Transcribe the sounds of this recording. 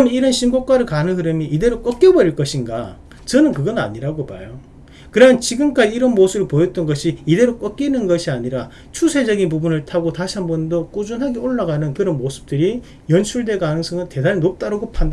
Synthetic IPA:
miɾʌnɕʰimbok͈waɾɯɭkanɯnɦɯɾɯmiʔːde̞ɾok͈ʌk͈jʌbʌɾiɭk͈ʌɕʰinɡa̰ | t͡ɕʌnɯnkɯɡʌna̰ɲiɾaɡopa̰jo | kɯɾʌmnt͡ɕiɡɯmk͈ad͡ʑiiɾʌnmosʰɯbɯɭpojʌt͈̚ʌnɡʌɕʰiːde̞ɾok͈ʌk͈inɯnɡʌɕʰiaɲiɾa | t͡ɕʰusʰe̞d͡ʑʌɡinpubunɯɭtʰaɡotaɕʰiɦambʌndok͈ud͡ʑunɦaɡioɭːaɡanɯnkɯɾʌnmosʰɯ̥p̚t͈ɯɾi | jʌnt͡ɕʰuɭde̞kanɯŋs͈ʰʌŋɯnte̞daɾnop̚t͈aɾɯɡopʰanda

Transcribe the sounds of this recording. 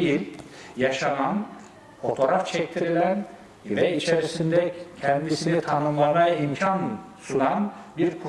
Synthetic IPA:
jilʲjaʃanan | fo̞t̪ʰo̞ɾaft͡ʃʰɛct̪ʰiɾilʲæn | vɛit͡ʃʰeɾisind̪ɛcʰɛnd̪isinit̪ʰanɯmlˠamajaimcʰan | sunanbiɾkʰu

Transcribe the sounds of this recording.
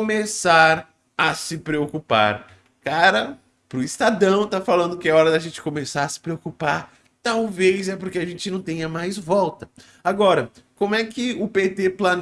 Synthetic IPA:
omesaɾ | ɐsɪpɾeokupa̰ɾ | kaɾɐ | pɾʊist̪ad̪ɐ̃w̃t̪afalɐ̃nd̪ʊkɪɛɔɾɐd̪ɐʒẽnt͡ʃɪ̥komesaɾɐsɪ̥pɾeokupaɾ | t̪awvezɛpoɾkeaʒẽnt͡ʃɪnɐ̃w̃t̪ẽɲɐmajzvɔwt̪ɐ | aɡɔɾɐkõmʊɛkɪʊpet̪eplɐn

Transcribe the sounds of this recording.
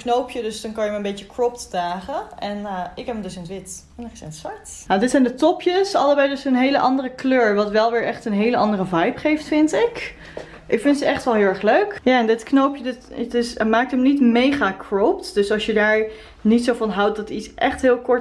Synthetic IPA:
knowpʰjədɵsdɑnkɑnjəmaənbejtəkrɔptdaːχəɛnɪkɦɛpəmdɵsɪnətʋɪt | nɛχsɛnsʋaɹt | jadɪtsɛjndətɔpjəsɑ̰lˠəbɛjdɵsənɦejləʔɑndərəkløːɹʋɑtʋɛlˠʋɪːɹʔɛχtənɦejləʔɑndərəvɑjpχejftfɪntɪk | ʔɪkfɪntsətɛχtʋɛlˠɦɪːlˠɛχløɥkjaːɛndɪtknowpjədɪtdɪsmaːk̚təmnitmejχaːkʰrowptd̥øsɑlˠsjədaːɹ | nitsowvɑnɦʌwt̚dɑtisʔɛχtɦɪːlˠkɔɹ

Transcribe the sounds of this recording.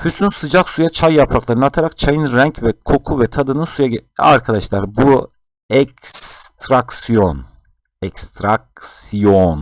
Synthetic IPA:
fysynsɯd͡ʒaksujat͡ʃʰajːapʰɾaklˠaɾɯnat̪ʰaɾak̚t͡ʃʰajɯnɾæɲcvɛkʰo̞kʰuvɛt̪ʰad̪ɯnɯnsujaa̰ɾkʰad̪aʃlˠaɾbu | ɛcst̪ʰɾaksijon | ɛkst̪ʰɾak̚sijon

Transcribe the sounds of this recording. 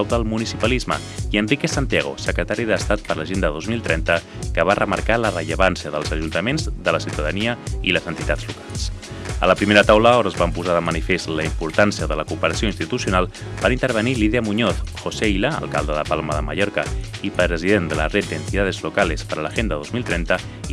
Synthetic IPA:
wd̪əlˠmunisipəlizmə̰ | iənrikesant̪jaɣo̰səkɾət̪aɾiðəst̪at̪̚pəɾləʒend̪əðozmilˠt̪ɾɛnt̪ə | kəβarəmə̰ɾkalərəʎəβansiəðəlˠzəʒunt̪əmenzðələsiwt̪əðəniəiləzənt̪it̪azlukalˠsə̰ləpɾimeɾət̪awləɔɾəzβampuzaðəmənifest̪ləimpuɾt̪ansiəðələkupəɾəsioinst̪it̪usjunalˠ | b̥aɾint̪əɾβəniliðiəmuɲɔθxosejləə̰lˠkalˠd̪əðəpalˠməðəmə̰ʎɔɾkəipɾəɾəziðend̪ələ̰ret̪̚d̪ənt̪iðaðezlukalespəɾələʒend̪əðozmilˠt̪ɾɛnt̪ə

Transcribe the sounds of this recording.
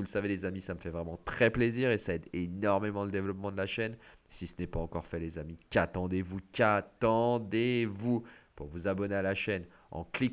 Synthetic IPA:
vuləsavelezamisaməfɛvʁɛmɑ̃t̪χɛpleziʁesaɛd̪enɔʁmemɑ̃ləd̪evlɔpmɑ̃d̪əlaʃɛnsisənɛpaɑ̃kɔʁfɛlezamikat̪ɑ̃d̪evukat̪ɑ̃d̪evupṵʁvuzabɔnealaʃɛn | ɑ̰̃klik

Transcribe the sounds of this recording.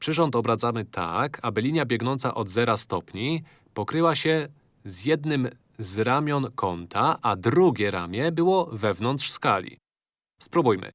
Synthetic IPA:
pʂɘʐɔnt̪ɔbɾat̪zamɘt̪ʰa̰kʰabɘlʲiɲjabʲjɛɡnɔnt̪sa̰ʔɔd̪zɛɾast̪ɔpɲi | pɔkɾɘwaɕɛ | zjɛd̪nɘm | zɾamʲjɔnkʰɔnt̪ʰaʔad̪ɾuɡʲɛɾa̰mʲjɛbɘwɔvɛvnɔnt̪ʂskalʲḭ | spɾubujmɘ̰

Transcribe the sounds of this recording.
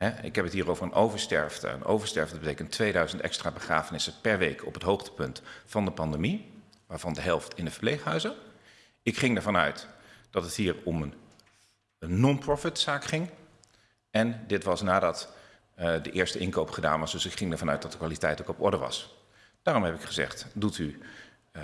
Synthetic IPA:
ɛɪ̰kɦɛpətɦiːɹowvəɹənʔowvəɹstɛ̰ɹftə̰ə̰no̰wvəɹstɛɹvəndəbətejkəntʰːʋejdœɥzəntɛ̰kstraːbəχra̰ːfənɪsəpɛɹʋejkʰɔ̰pətɦowχtə̥pɵntfɑndəpɑndemi | ʋaːɹv̥ɑndəɦɛlˠftʰɪndəvə̥ɹplejχəɦœɥzə | ɪkχɪŋəɹvɑnœ̰ɥtd̥ɑtətɦiːɹɔmən | ɔnprɔfɪtsaːkχɪŋ | ɛndɪtʋɑsnaːdɑt | dəʔɪːɹstəʔɪnkowpχəda̰ːnʋɑsdɵsɪkχɪŋdəɹvɑnœ̰ɥt̚dɑt̚dəkʋaːlitɛjtokɔpɔ̰ɹdəʋɑ̰s | d̥aːrɔmɦɛpɪkχəzɛ̰χtduty

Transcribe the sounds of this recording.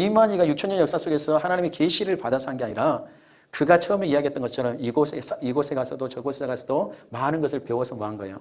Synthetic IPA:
imaɲiɡajuk̚t͡ɕʰʌɲʌnjʌk̚s͈as͈oɡe̞sʰʌhanaɲimikeɕʰiɾɯɭpadasʰaŋɡeaɲiɾa | kɯɡat͡ɕʰʌːmeiaɡiɦt͈ʌnɡʌt͡ɕʰʌɾʌmiɡosʰesʰiɡosʰe̞ɡasʰʌdot͡ɕʌɡosʰeseɡasʰʌdomanɯnɡʌs̬ʰɯɭpe̞wʌsʰʌmoɦanɡʌḛjo̰

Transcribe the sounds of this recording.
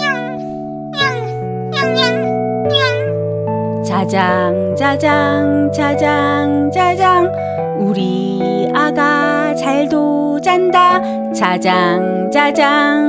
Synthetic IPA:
t͡ɕad͡ʑaŋd͡ʑad͡ʑaŋt͡ɕad͡ʑaŋd͡ʑad͡ʑaŋ | uɾi | aɡa | t͡ɕaɭdo | d͡ʑanda | t͡ɕad͡ʑaŋ | d͡ʑad͡ʑaŋ

